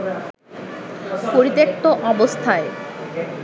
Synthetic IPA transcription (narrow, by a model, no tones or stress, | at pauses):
poɾit̪ek̚t̪oʔɔbost̪ʰae